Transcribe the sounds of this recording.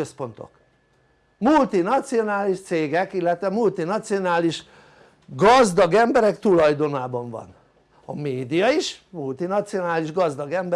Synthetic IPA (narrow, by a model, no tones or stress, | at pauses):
øspo̞nt̪o̰k | mult̪inɒt̪sijo̞naːliʃt̪seːɡɛkilːɛt̪ʋɛmult̪inɒt̪sijo̞naːliʃ | ɡɒzd̪ɒɡɛmbɛɾɛkt̪ulɒjd̪o̞naːbɒɱvɒ̰n | ɒmeːd̪ijɒiʃmult̪inɒt̪sio̞naːliʒɡɒzd̪ɒɡɛmb